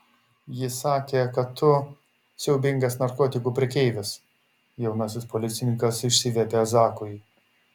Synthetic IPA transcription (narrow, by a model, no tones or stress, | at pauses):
jɪsɑːkʲeːkɐt̪ʰːʊ | sʲɛʊbʲɪŋɡɐsnɐɾkoːt̪ʲɪkuːpʲɾʲɪɛkʲɛɪʋʲɪs | jɛʊnɐsʲɪspoːlʲɪt̪sʲɪnʲɪŋkɐsɪʃʲsʲɪʋʲɛpʲeːɐzɑːkʊj